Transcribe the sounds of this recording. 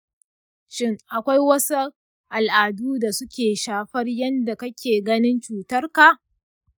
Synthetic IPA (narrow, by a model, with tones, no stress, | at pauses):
t͡ʃɪ˦ŋʔa˨kʷa˦jwɐ˦su˦ | ʔa˨lʔaː˨duː˦da˨sʊ˦kʲeː˨ʃaː˦ɸɐ˦rjɐ˦nda˨kɐ˦kʲeː˨ɡɐ˦nɪ˦nt͡ʃuː˨tɐ˦rka˨ʔ